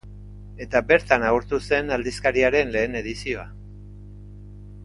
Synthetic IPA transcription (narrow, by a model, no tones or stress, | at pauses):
e̞t̪abe̞ɾt̪anauɾt̪use̞nald̪iskaɾiaɾe̞nle̞ːne̞ðisio̞a